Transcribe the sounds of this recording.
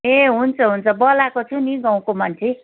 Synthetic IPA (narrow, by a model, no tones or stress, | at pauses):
ẽɦunt͡sʰʌɦunt͡sʰʌbʌlakot͡sʰuniɡãw̃komant͡sʰi